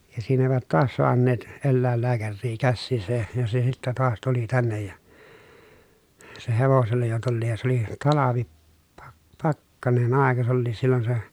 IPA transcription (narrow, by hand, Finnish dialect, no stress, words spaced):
jɑ siːn eˑiʋæt toɑs soɑnːeːt elːæˑelːæːkærːiː kæsːiːsæ jɑ se sitːæ toɑs tuli tænːej jɑ se heʋoselːɑ jo tulːiːj jɑ se oli tɑlɑʋi pɑk pɑkːɑnen ɑˑekɑ s olːiːs silːon se